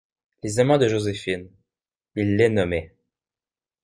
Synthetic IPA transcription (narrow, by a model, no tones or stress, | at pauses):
lezamɑ̃d̪əʒozefin | ilːɛnɔme